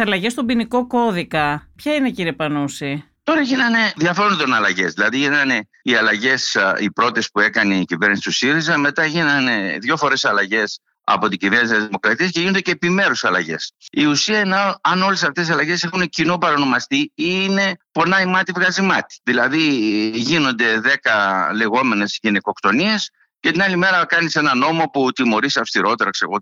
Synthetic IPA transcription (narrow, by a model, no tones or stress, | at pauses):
ɐlɐʝe̞st̪obiniko̞ko̞ðikɐpçɐine̞ciɾepɐnusi | t̪o̞ɾɐʝinɐne̞ðjɐfɾnðo̞nɐlɐʝe̞zðilɐðiʝinɐne̞ | iɐlɐʝe̞sipɾo̞t̪e̞spue̞kɐneicive̞ɾnisit̪usiɾizɐme̞t̪ɐʝinɐne̞ðʝo̞fo̞ɾe̞sɐlɐʝe̞s | ɐ̰po̞t̪iɟivenisɐzðimo̞kɾɐt̪iɐsceʝinod̪eceːpime̞ɾusɐlɐ̰ʝe̞̰siusiɐenɐɐno̞le̞sɐft̪esisɐlɐʝe̞se̞xuncinopɐɾɐno̞mɐst̪iine̞po̞nɐimɐt̪ivɣɐzimɐt̪i̥ðilɐðiʝino̞nd̪e̞ðe̞kɐle̞ɣo̞me̞ne̞szʝiniko̞kt̪o̞nie̞s | cet̪inɐlime̞ɾɐkɐnise̞nɐno̞mo̞put̪imo̞ɾisɐfst̪iɾo̞t̪e̞ɾɐkse̞ɣo